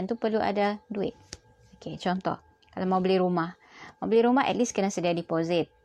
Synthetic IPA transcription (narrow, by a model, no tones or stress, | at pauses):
nt̪upərluʔa̰daduɪ̰t̪̚ | oket͡ʃɔnt̪ɔ̰ | kalamaubəlɪhɾumah | mawbəlɪɾumaɦɛ̰t̚liskənasədiadipozɪt̪̚